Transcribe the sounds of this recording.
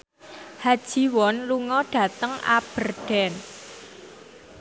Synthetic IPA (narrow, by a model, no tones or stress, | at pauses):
had̥ʒ̥i̤wɔnluŋɔɖ̥a̤t̪əŋa̰b̥ə̤rɖ̥ɛ̤n